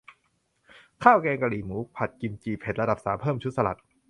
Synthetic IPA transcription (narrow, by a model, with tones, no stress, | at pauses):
kʰaː˥˩wkɛː˧ŋka˧liː˨˩muː˩˦pʰa˨˩t̪̚ki˧mt͡ɕiː˧pʰe˨˩t̪̚ɾa˧da˨˩p̚saː˩˦mpʰɤː˥˩mt͡ɕʰu˦˥t̪̚sa˧la˨˩t̪̚